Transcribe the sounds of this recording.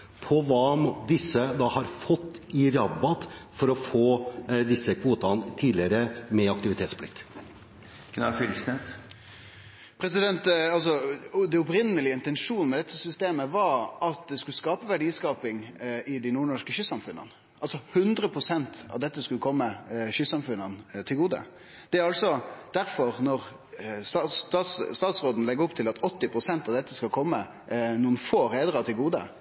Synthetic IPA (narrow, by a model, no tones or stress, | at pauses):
pʰɔʋɑːd̪ɪsːəd̪ɑhɑɾfɔt̪ːɪɾɑbɑt̪fɔɾɔfoːd̪ɪsːəkʰʋuːt̪ɑnt̪ʰiːd̪lɪəɾəmɛɑk̚t̪ɪʋɪt̪ʰeːt̪spʰlɪ̰k̚t̪ | kʰnɑ̰fʏlsnes | pʰɾɛsɪd̪ɛnt̪ɑls̬ɔd̪ɛɔpɾɪnːəlɪəɪnt̪ɛnʂuːnəmɛd̪ɛt̪ːəsʏst̪eːməʋɑɾʔɑt̪̚d̪ɛskʉəskɑːpəʋæɖiːskɑːpɪŋɪd̪ɪnuːɳɔʂkəɕʏsɑmfʉnːə̰n | ɑlsɔhʉnd̪ɾəpʰɾʊsɛnt̪ɑ̰ʋd̪ɛt̪ːəskʉləkʰɔmːəçʏsɑmfʉnənt̪ʰɪlɡuːd̪ə̰ | d̪̥ɛæɾɑlt̪sɔd̪̥æɾfɔɾnɔɾ | st̪ɑtst̪ɑːt̪sst̪ɑːt̪sɾoːd̪n̩lɛɡəɔpt̪ʰɪlɑt̪ɔt̪ːɪpʰɾʊsɛnt̪ɑʋd̪ɛt̪ːəskɑlkʰɔmːə | nuːənfoːɾeːd̪ɾɑt̪ʰɪlɡuːd̪ə̰